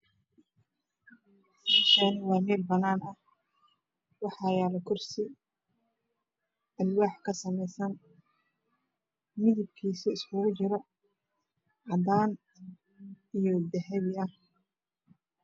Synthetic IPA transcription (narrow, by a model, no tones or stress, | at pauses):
mɛːʃanwɑːmɛːlbɐnaːnɐh | wɑħɑːjaːlɐkʰʊrsɪ | ɐlwaːħkʰɐsɐmɛjsɐn | mɪðɪb̚kʰiːsɐɪskʰʊɣʊt͡ʃɪɾɔ | ʕɑd̪aːn | ijɔd̪ɛɦɛβɪɐh